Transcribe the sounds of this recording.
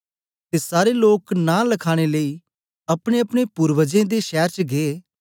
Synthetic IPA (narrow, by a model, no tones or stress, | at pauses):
t̪eːsaːɾeloːknãːləkʰaːɽ̃eləiː | ɐpɽ̃eɐpɽ̃epʊɾʋəd͡ʒẽd̪eʃɛːɾt͡ʃɡeː